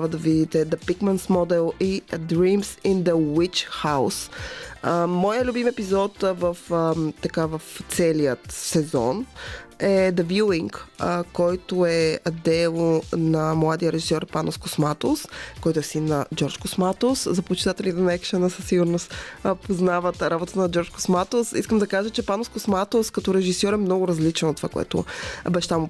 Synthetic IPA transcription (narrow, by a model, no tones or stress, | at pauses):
avəd̪ɐvid̪it̪ɛd̪ɐpikmɛnt̪smɔd̪ɛlˠid̪ɾimsind̪əwit͡ʃxaws | mɔjəlʲubimɛpizɔt̪vəft̪ɐkavɐft̪sɛlijət̪sɛzɔ̰nɛd̪əvjuiŋkkɔjt̪oɛɐd̪ɛlˠnɐmlˠad̪ijəɾɛʒisʲjɔɾpanoskosmat̪oskɔjt̪ʊɛsinːɐd͡ʒɔɾt͡ʃkosmat̪oszɐpot͡ʃit̪at̪ɛlʲit̪ɛnɐɛkʃənəsəsiɡʊɾnost̪poznavət̪ɾabot̪ət̪ənɐd͡ʒɔɾt͡ʃko̥smat̪osiskəmd̪ɐkaʒət͡ʃɛpanoskosmat̪oskɐt̪ɔɾɛʒisjɔɾɛmnɔɡʊɾɐzlit͡ʃɛnot̪ːovakoɛ̰t̪ʊ̰bɛʃt̪amʊ